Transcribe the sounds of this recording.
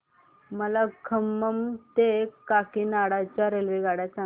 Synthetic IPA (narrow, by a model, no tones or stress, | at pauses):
məlakʰəmːəmt̪ekakinaɽat͡ɕjaɾelʋiɡaɽat͡sa